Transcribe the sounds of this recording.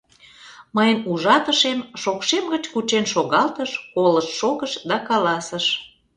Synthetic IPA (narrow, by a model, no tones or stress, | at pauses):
məjənuʒɑt̪əʃemʃokʃemɡət͡ɕkut͡ɕenʃoɣɑlt̪əʃkoləʃːoɣəʃd̪ɑkɑlɑsəʃ